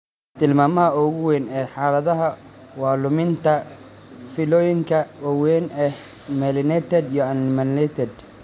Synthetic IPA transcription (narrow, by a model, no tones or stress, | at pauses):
t̪ʰɪlmaːmɐɦɐʊɣʊwɛnɛːħaːlɐðɐɦɐ | wɑːlʊmɪnt̪ʰɐ | fɪlɔːjɪŋkʰɐwɐwɛːnʔɛh | mɛlɪnɛt̪ʰɛd̪ijɔɐnɪmɐnlɛt̪ʰɛd̪